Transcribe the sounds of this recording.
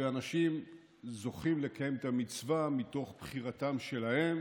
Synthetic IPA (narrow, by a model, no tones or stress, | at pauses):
eanaʃim | zo̞χimle̞kaje̞met̪amit͡svamito̞χb̥χiʁatamʃe̞lahe̞m